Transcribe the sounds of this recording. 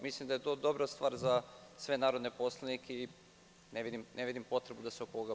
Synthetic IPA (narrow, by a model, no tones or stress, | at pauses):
mislimd̪ajet̪od̪o̞bɾast̪ʋaːɾzasʋe̞naːɾo̞d̪nepo̞slˠanikʰei | neʋid̪imnʔeʋid̪impo̞t̪ɾe̞bud̪aseokoɡa